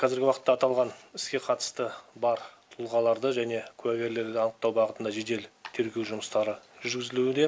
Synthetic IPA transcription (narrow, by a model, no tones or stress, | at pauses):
qʰɑzɪɾɡʲɪwɑqət̪ːɑːt̪ɑlˠʁɑnɪskʲe̞qʰɑt̪ə̥st̪əbɑɾt̪ʰʊlˠʁɑlˠɑɾd̪əʒæne̞kʲʰʉæɡʲe̞ɾle̞ɾd̪eɑnəq̚t̪ɑwbɑʁət̪ənd̪ɑʒe̞d̪e̞lt̪ʰe̞ɾɡʲe̞wʒʊməst̪ɑɾəʒʏɾɡʲɪzɪluɪd̪e̞